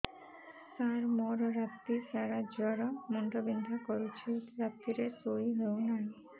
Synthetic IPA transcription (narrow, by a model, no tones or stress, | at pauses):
t̪aɾmɔɾoɾat̪ːisaɾad͡ʑɔɾɔmuɳʈobind̪ʱakoɾut͡ɕʰit̪ɾat̪ːiɾet̪oiɦewnan